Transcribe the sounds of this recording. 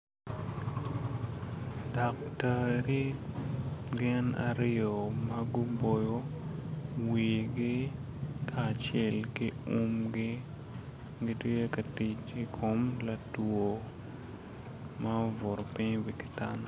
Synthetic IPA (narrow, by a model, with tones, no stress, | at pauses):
dɔ˨ktəɾi˦ | ɡɪɛ˦na̰ɾɪo˨mɐɡʊ˦bo˨jo˦ | wiɡɪ˦ | kʰaː˨t͡ʃɛ˦lkɪ˦u˦mɡɪ˦ | ɡɪtje˦kɐ˨ti˨t͡ʃi˨kʰo˨mla˨two˨ | mɐo˦vʊ˨ɾɔ˨pɪ˦ɲwi˨kɪ̥˦ta˦nɔ˨